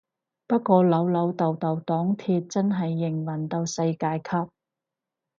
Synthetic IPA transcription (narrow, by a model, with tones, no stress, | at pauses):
pɐ˥t̚kʷɔː˧lɐ˨˥wlɐ˨˥wt̪ɐ˨wt̪ɐ˨wt̪ɔː˨˥ŋt̪ʰiː˧t̚t͡sɐ˥nɦɐ˨jːɪ˨˩ŋwɐ˨˩nt̪o˧wsɐ˧jkaː˧jkʰɐ˥p̚